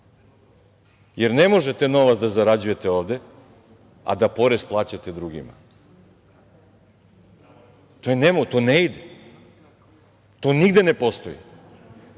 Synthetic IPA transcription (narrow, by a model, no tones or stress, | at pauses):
jeɾne̞mo̞ʒet̪eno̞ʋat̪zd̪azaɾad͡ʑuje̞t̪eo̞ːʋd̪e̞ | a̰d̪apo̞ɾesplˠaːt͡ɕat̪e̞d̪ɾuɡḭma̰ | t̪ojenemot̪oːneid̪e | t̪oːniɡd̪ene̞po̞st̪o̞jḭ